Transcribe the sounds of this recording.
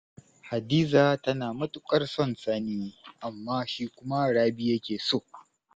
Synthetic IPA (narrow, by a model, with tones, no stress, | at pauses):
ha˨diː˦zaː˨tɐ˦naː˨mɐ˦tʼʊ˨kʼɐ˦rsɔ˦˨nsɐ˦niː˦ʔa˨mːaː˦ʃiː˦kʷʊ˦ma˦ɽaː˦bi˦jɐ˦kʲeː˨soː˦ʔ